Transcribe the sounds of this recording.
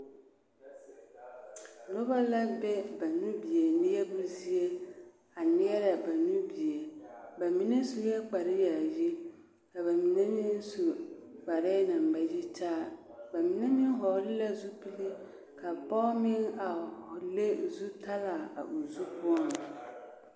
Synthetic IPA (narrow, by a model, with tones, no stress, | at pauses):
no˦ba˦la˦bɛ˦ba˨nũ˦bi˨e˨nɪ̃˦jɛ˦bu˦zi˦e˦ | a˨nɪ˦ɛ˦ɾa˨ba˨nũ˦bi˨e˨ba˨mĩ˨nẽ˦su˦jɛ˦k͡pa˨ɾɪ˦ja˨ji˦ | ka˨ba˨mĩ˨nẽ˦mɪ̃˦n˦su˨k͡pa˨ɾɪ˦nã˨m̩˨ba˨ji˦tʰaː˦˨ | ba˨mĩ˨nẽ˦mɪ̃˦n˦ɦɔ˨˦lɪ˦la˦zu˦pi˦li˦ | kʰa˨bɔ˦mɪ̃˦na˨hɔ˨le˦zu˦tʰa˦la˨a̰˨ʔu˨zu˦pʰʊ˦ɔ˦n˨